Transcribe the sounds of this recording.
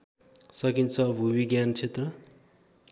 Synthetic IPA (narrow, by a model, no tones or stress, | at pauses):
sʌkint͡sʰʌbʱubiɡjant͡sʰet̪rʌ